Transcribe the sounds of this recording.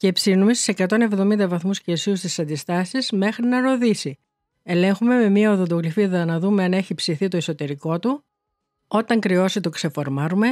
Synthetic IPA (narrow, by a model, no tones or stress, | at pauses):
cepsinumest̪i̥sekɐt̪o̞ne̞vðo̞mind̪ɐvɐθmuscesiust̪isɐnd̪ist̪ɐsizme̞xɾinɐɾo̞ðisi | e̞le̞ŋxume̞me̞miɐoðod̪oɣlifiðɐnɐðume̞ɐne̞çipsiθit̪o̞iso̞t̪e̞ɾiko̞t̪u | o̞t̪ɐŋkɾio̞sit̪okse̞fo̞ɾmɐɾume̞